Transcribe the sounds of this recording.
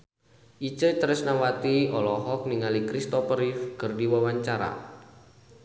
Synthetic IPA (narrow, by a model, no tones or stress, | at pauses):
ʔit͡ʃət͡ʃəɾɪsnawat̪iɔlɔɦɔk̚niŋalikɾist̪ɔpəɾifkərdiwawaɲt͡ʃaɾa̰